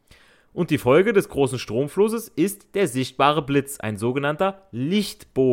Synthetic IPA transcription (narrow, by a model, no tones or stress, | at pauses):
ʔʊnt̚d̥iːfɔlɡədɛsɡ̥ʁoːsn̩ʃtʁ̥oːmflʊsəsɪstd̥eːɐzɪçt̚b̥aːʁ̞əblɪt͡sʔa̰ɪnzoːɡənantɐlɪçtb̥oː